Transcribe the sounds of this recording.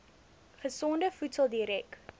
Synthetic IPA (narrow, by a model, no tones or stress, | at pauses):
χəsɔndəfutsəlˠdiɾɛk